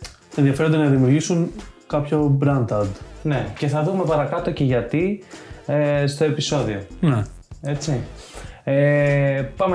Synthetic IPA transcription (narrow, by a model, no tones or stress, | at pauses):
enðiɐfeɾod̪enɐðimiuɾʝisuŋkɐpço̞bɾɐnd̪ɐd̪ne̞ce̞θɐðume̞pɐɾɐkɐt̪o̞ce̞ʝɐt̪i | est̪o̞e̞piso̞ðio̞ne | e̞t͡si | e | pɐm